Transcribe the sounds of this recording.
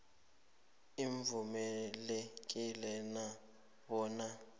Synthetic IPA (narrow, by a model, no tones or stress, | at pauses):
iɱvumɛlek̬ʼilɛna | bɔːna